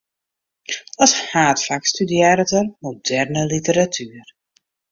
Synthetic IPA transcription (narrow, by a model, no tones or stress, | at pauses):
ɔshaːtfakstydjɛːɾətərmodɛrnəlitəɾatʰyːr